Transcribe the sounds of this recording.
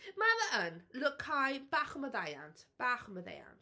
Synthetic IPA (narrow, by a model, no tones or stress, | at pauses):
maðəʔənlʊkʰhajb̥aːχəməðaja̰ntʰb̥aχəməðḛja̰nt